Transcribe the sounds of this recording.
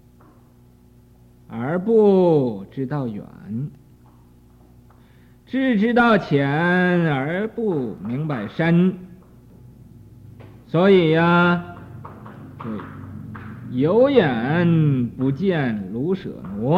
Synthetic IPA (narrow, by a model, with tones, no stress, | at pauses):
ə˞˧˥pu˥˧ʈ͡ʂɻ̩˥t̪ɑ˥˩ʊjɥə̰˨˩˦n | ʈ͡ʂɻ̩˥˩ʈ͡ʂɻ̩˥t̪ɑ˥˩ʊt͡ɕʰjɛ˨˩˦nə˞˧˥pu˥˧˩mi˧˥ŋpa˨˩ɪʂə˥n | swɔ˧˥i˨˩a˧˥˩ | jo˧˥ʊjɛ˨˩˦npu˧˥t͡ɕjɛ˥˩nlu˧˥ʂɤ̰˨˩nwɔ˧˥